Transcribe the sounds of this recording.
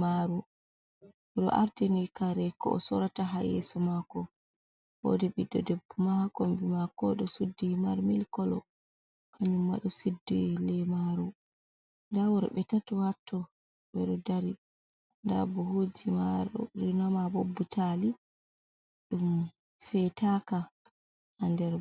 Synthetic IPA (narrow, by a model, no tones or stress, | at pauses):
maɾu | ɗɔ̰ʔaɾtinikaɾɛkɔːsɔɾataɦajɛ̰sɔmakɔ | wo̰diɓidɔdɛbːɔmahakombimakɔɗɔsudːimaɾmilkɔlɔ̰ | kʰaɲumːa̰ɗɔsudːilɛmaɾu | ndawuɾɓɛtatɔwatʰːɔ | ɓɛɗɔdaɾi | nda̰bɔhoːd͡ʒimaɗɔ̰ɾinamabobːutʰali | ɗum | fɛtaka | handɛɾ